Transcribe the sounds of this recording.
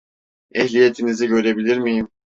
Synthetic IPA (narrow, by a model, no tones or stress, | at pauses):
ɛhlije̞t̪ʰiniziɟø̞ɾe̞bilʲiɾmijim